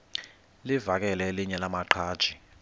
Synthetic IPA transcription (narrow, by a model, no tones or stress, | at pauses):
livak̬ʼɛlɛliɲɛlamaǃʰaːd̥ʒ̥ʱi